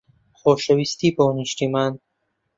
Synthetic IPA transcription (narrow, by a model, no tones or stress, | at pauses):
xoːʃewist̪iːboːniʃt̪iman